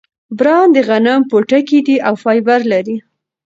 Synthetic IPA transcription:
bɾɑnd̪əɣanampoʈakid̪iʔawfɑjbaɾlaɾi

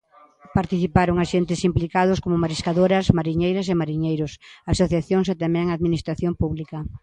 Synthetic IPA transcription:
paɾt̪iθipaɾʊŋaʃent̪ɪsimplikaðʊskomomaɾiskaðoɾɐsmaɾiɲejɾɐsemaɾiɲejɾʊsasoθjaθjoŋset̪amɛ̃ŋaðminist̪ɾaθjompuβlikɐ

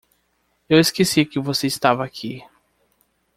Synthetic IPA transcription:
eweskesiɐkɪvoseist̪avɐakʰi

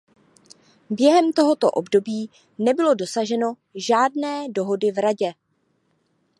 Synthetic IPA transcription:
bjɛɦɛmt̪o̞ɦo̞t̪o̰ʔo̞bdo̞biː | nɛbɪlo̞do̞saʒɛno̞ | ʒaːdnɛːdo̞ɦo̞dɪvɾaɟɛ

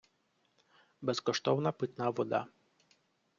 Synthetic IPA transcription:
bɛskɔʃt̪ɔwnɐpɨt̪naʋɔd̪a̰

